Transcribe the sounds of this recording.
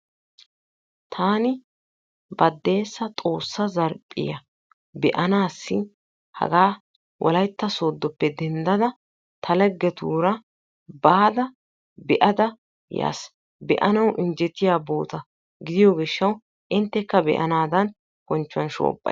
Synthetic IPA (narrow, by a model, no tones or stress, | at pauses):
t̪ʰaːnɪ | bɐd̪ːe̞ːsːɐt̪ʼo̞ːsːɐzɐɾpʼːɪ̰jɐ | bɛʔɐnaːsːɪ | hɐ̰ɡaː | wʔɔ̰lɐjt̪ːɐso̞ːd̪ːɔpːɛd̪ɛnd̪ɐd̪ɐ | t̪ʰɐlɛɡːɛt̪ṵːɾɐ | baːd̪ɐ | bɛʔɐd̪ɐ | ja̰ːs | bɛʔɐnɐwʔɪnd͡ʒɛt̪ːɪjaːbo̞ːt̪ɐ | ɡɪd̪ɪjoːɡɪʃːɐw | ʔɪnt̪ːɛkːɐbɛ̰ʔɐ̰naːd̪ɐn | kɔnt͡ʃːʊɐnʃo̰ːpʼːɐ̰